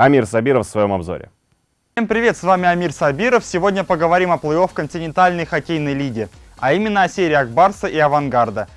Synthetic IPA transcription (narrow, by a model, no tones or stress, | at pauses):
ɐmʲirsɐbʲiɾəffsvɐjo̞̰mɐbzo̞̰ɾʲɪ̰ | fsʲempɾʲɪvʲe̞t̪svamʲɪɐmʲirsɐbʲiɾəfsʲɪvo̞dʲnʲəpəɡəvɐɾʲimɐplˠɨo̞fkənʲtʲɪnʲɪnt̪alʲnəjxɐkʲejnəjlʲiɡʲɪɐimʲɪnːəɐsʲeɾʲɪːɐɡ̚barsəʔiɐvɐnɡard̪ə